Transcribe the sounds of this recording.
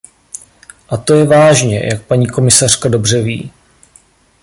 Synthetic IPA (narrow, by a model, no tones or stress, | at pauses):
ʔat̪o̞jɛvaːʒɲɛ̰jak̚paɲiːko̞mɪsar̝kado̞brɛvḭː